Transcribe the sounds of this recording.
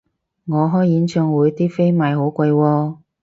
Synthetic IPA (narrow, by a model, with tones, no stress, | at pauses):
ŋɔː˨˧ɦɔː˥jjiː˨˥nt͡ʃœː˧ŋwuː˨˧jt̪iː˥fe˥jmaː˨˧jɦo˨˥wkʷa˧jwɔː˧